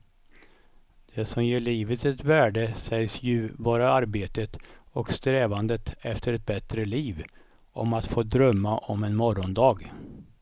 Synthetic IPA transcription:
d̪̥ɛsɔmjeːɭiːvət̪ɛt̪væːɖəsɛjsjɵvoːɾaaɾbeːt̪ət̪ɔkst̪ɾɛːvand̪ət̪ɛft̪əɾɛt̪̚bɛt̪ɾəliːv | ʔɔ̰mat̪foːd̪ɾœmːaʔɔmɛnmɔɾɔnd̪ɑːɡ

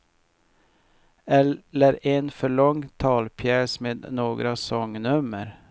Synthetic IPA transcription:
ɛəɾenfɔɭɔŋt̪ʰɑːlpʰjæːsmeːd̪noːɡɾɑsɔŋnʉməɾ

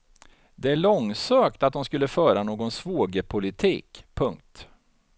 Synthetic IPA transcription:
d̪ɛæɭɔŋsøːkt̪at̪̚d̪ɔmskɵlːəfœːɾanoːɡɔnsvoːɡəpʰʊlɪt̪ʰiːkpʰɵŋk̚t̪

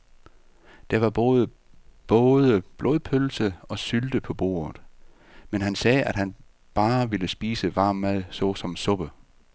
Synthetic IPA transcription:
d̥ɑ̈ʋɑ̈b̥ɔ̽ːð̞ˠə | b̥ɔ̽ːðˠəb̥loð̞ˠpʰølsəɒ̽syld̥əpʰɒ̽b̥o̝̰ːɐð̩ˠ | menɦænsɛːʔæd̥ɦæn | b̥ɑ̈ːʋe̝ləsb̥iːsəʋɑ̈ːmːæð̰ˠsɒ̽sɒ̽msɔ̽b̥ə

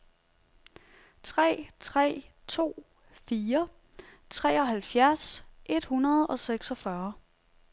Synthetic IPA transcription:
t͡sʰʁɛ̰ːt͡sʰʁɛ̰ːt͡sʰo̝̰ː | fiːɐ | t͡sʰʁɛ̰ːɒ̽ɦælfjæɐsʔe̝d̥hunɐð̞̩ˠɒ̽seɡ̥sɒfɶɐ

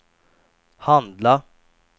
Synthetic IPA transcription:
hɑnd̪lɑ

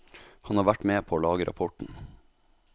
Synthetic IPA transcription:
hɑnhɑːʋæʈmeːpʰoːlɑːɡəɾʔɑ̰pʰɔʈɳ̩

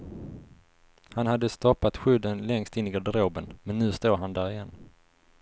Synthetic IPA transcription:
hanhad̪ːəst̪ɔpːat̪ɧʏd̪ːənlɛŋst̪ɪnːɪɡɔd̪ɾoːbənmɛnːʉ̟ːst̪uːɾɦand̪æːɾɪjɛnː

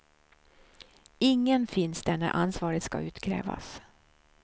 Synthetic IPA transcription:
ɪŋːənfɪnsd̪æɳæɾʔansvɑːɾət̪ska̰ʉ̟ːt̪kʰɾɛ̰ːva̰s

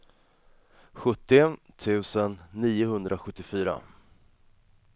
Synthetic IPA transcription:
ɧɵt̪ːɪt̪ʰʉ̟ːsənːiːʊhɵnd̪ɾʔaɧɵt̪ːɪfyːɾa̰

